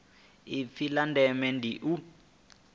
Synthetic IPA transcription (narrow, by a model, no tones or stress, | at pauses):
ifilandɛmɛndiʔu